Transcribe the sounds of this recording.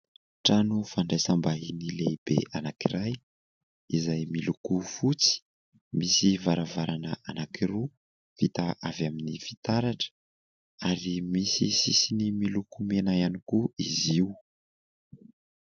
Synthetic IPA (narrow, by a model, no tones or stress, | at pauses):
ʈ͡ʂanufaɳɖ͡ʐajsambainileb̥eʔanakiɾaj | izajmilukufut͡si̥ | misivaɾavaɾʔanəʔanakʰiru | vit̪aʔavjaminifi̥t̪aɾaʈ͡ʂə̥ | aɾimisisisinimilukumenajanikuiziu